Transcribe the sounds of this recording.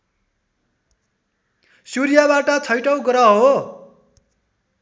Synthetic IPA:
suɾijabaʈʌt͡sʰʌjʈʌwɡʌɾʌɦo

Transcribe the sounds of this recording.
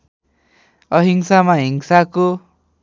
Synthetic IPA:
ʌɦiŋsamaɦiŋsako

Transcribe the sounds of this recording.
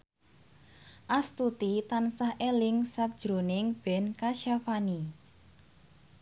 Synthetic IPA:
ʔast̪ut̪it̪ansahʔelɪŋsak̚d̥ʒ̥ɾonɪŋb̥ɛnkaʃafani

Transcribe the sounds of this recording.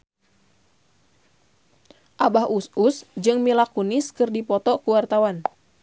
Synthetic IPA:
ʔabahususd͡ʒɨŋmilakuniskɨrdipɔt̪ɔkuwart̪awan

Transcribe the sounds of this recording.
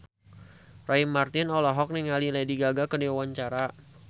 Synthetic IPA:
raimart̪ɪnɔlɔɦɔk̚niŋalilajdiɡaɡakədiawaɲt͡ʃaɾa

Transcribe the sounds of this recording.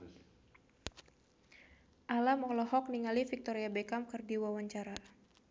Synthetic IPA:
ʔalamɔlɔɦɔk̚niŋalifik̚t̪ɔɾiabɛkamkɨrdiwawaɲt͡ʃaɾa

